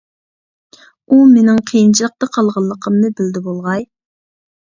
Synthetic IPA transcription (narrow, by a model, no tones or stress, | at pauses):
umenɪŋqʰijint͡ʃʰilˠəq̚t̪ɑqʰɑlˠʁɑlˠːəqʰəmnɨbɪld̪ɪbolˠʁɑj